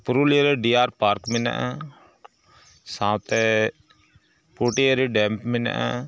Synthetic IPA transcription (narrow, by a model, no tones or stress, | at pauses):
pɾuːliəɾeɖiːaːɾpaːɾkmɪna̰ʔɛː | sãːt̪ɛː | puːʈijeɾeɖɛːmpmɪna̰ʔɛ̰̃ː